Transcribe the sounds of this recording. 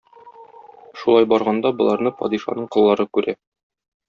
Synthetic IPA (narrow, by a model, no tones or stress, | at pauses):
ʃulˠɑjbɒɾʁɑnd̪ɑbŏlˠɑɾnɤpɒ̰d̪iʃɑ̰nɤɴqŏlˠːɑɾɤkʉɾæ